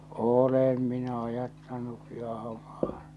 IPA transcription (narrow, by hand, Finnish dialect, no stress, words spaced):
oːlem minæ ɑjɑtːɑnukːi ɑhɑ̆mɑː